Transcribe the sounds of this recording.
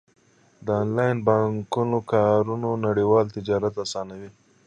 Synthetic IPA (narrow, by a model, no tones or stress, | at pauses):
d̪əɑnlɑjnbɑŋkunokɑɾunonaɽiwɑlt̪ɪd͡ʒɑɾat̪asɑnawi